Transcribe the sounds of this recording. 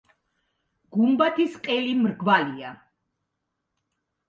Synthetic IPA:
ɡ̥umbat̪ʰisqʼɛlimɾɡvalia

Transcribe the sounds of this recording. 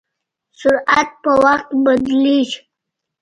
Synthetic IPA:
sʊɾat̪̚pəwaxt̪bad̪liʃ

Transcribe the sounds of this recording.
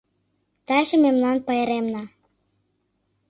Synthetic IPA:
t̪ɑjʃĕmemlɑnpɑjeɾemnɑ

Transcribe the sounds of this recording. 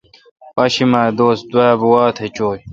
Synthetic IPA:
pɐɕimaːd̪oːsd̪wabuwaːt̪ʰet͡ɕoːj

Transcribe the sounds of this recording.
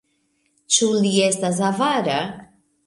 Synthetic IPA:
t͡ʃulie̞stas̬avaɾa

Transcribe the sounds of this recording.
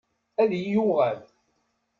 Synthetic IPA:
æðjjuʁæl

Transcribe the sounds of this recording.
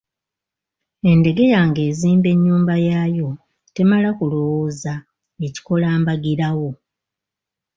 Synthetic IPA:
e̞nde̞ɡe̞jaːŋɡe̞ːziːmbe̞ɲːuːmbajaːjo̞ | te̞malakulo̞woːza | e̞ci̥ko̞laːmbaɡiɾawo̞

